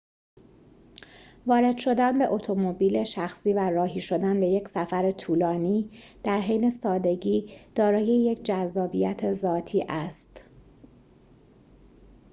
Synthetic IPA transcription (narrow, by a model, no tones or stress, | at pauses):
vɒːɾe̞d̪̥ʃo̞d̪ænbe̞ʔo̞t̪ʰo̞mo̞biːle̞ʃæxsiːværɒːɦiːʃo̞d̪ænbe̞je̞cʰsæfæɾet̪ʰuːlɒːniːd̪̥æɾɦejne̞sɒːd̪e̞ɟiːd̪̥ɒːɾɒːje̞je̞cʰd͡ʒæzːɒːbijæt̪ʰe̞zɒːt̪ʰiːʔæst̪